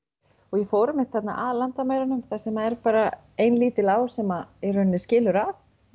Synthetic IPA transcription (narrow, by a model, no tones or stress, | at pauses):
ɔɣjɛfoːɾamɪt̪θɛt̪na̰ʔaðlant̪amaːjɾanʏmθasɛmaɛɾpaːɾa | ejnliːt̪ɪlaːwsɛmaɛɾœnːɪscɪːlʏɾa